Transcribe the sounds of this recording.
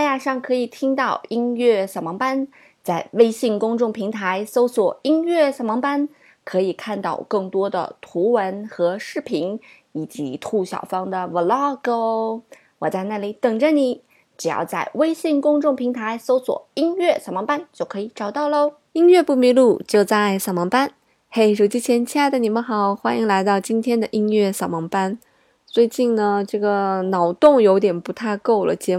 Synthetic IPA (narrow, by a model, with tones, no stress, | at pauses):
a˥˧ja˥˩ʂɑ˥˩ŋkʰɤ˧˥i˨˩t̪ʰi˥ŋt̪ɑ˥˩ʊi˥nɥɛ˥˩sa˨˩mɑ˧˥ŋpa˥n | t͡sa˥˩ɪwe˥ɪɕi˥˩ŋkʊ˥ŋʈ͡ʂʊ˥˩ŋpʰi˧˥ŋt̪ʰa˧˥ɪso˥ʊswɔ˨˩i˥ŋɥɛ˥˩sa˨˩mɑ˧˥ŋpa˥n | kʰɤ˧˥i˨˩kʰa˥˧nt̪ɑ̰˥˩ʊkɤ˥˩ŋt̪wɔ˥d̪ə̰˨˩t̪ʰu˧˥wə˧˥nxɤ˧˥ʂɻ̩˥˩pʰi˧˥n | i˨˩t͡ɕi˧˥t̪ʰu˥˩ɕjɑ̰˨˩ʊfɑ˥ŋd̪ə˨wə˨˩lɑ˥˩ko˥ʊ | wɔ˨˩t͡sa˥˧ɪna˥˩li˧˩˥t̪ɤ˨˩ŋʈ͡ʂə˥˩nli˧˥˦ | ʈ͡ʂɻ̩˨˩jɑ̰˥˧ʊt͡sa˥˩ɪwe˥ɪɕi˥˧ŋkʊ˥ŋʈ͡ʂʊ˥˩ŋpʰi˧˥ŋt̪ʰa˧˥ɪso˥ʊswɔ̰˨˩i˥ŋɥɛ˥˩sɑ˨˩ʊmɑ˧˥ŋpa˥nt͡ɕjo˥˩ʊkʰɤ˧˥i˧˩ʈ͡ʂɑ˨˩ʊt̪ɑ˥˩ʊlə˧ | i˥ŋɥɛ˥˧pu˥˩mi˧˥lu˥˩t͡ɕjo˥˧ʊt͡sa˥˩ɪsɑ˨˩ʊmɑ˧˥ŋpa˥n | xe˥˩ɪʂo˨˩ʊt͡ɕi˥t͡ɕʰjɛ˧˥nt͡ɕʰja˥d̪ə˨˩ni˨˩mə˧˦nxɑ˨˩˦ʊxwa˥ni˧˥ŋla˧˥ɪt̪ɑ˥˩ʊt͡ɕi˥nt̪ʰjɛ˥nd̪ə˨ʔi˥nɥɛ˥˩sɑ˨˩ʊmɑ˧˥ŋpa˥n | t͡swe˥˧ɪt͡ɕi˥˩nnə˩ʈ͡ʂɤ˥˩ɡə˩nɑ˨˩ʊt̪ʊ˥˩ŋjo˧˥ʊt̪jɛ˨˩npu˧˥t̪ʰa˥˧ɪko˥˩ʊlə̰˩t͡ɕjɛ˧˥